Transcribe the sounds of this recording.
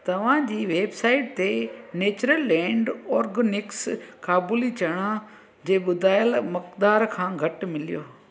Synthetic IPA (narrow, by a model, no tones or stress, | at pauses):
t̪ɐʋ̤ãd͡ʑiːʋeːbsaːɪʈt̪eneːt͡ɕɾəlːɛ̃ːɳɖɔːɾɡnɪkskaːbuːlit͡ɕɐɽ̃a | d͡ʑeːɓʊd̪ʱaːjəlmɐkd̪aːɾkʰãːɡʱɐʈmɪlijoː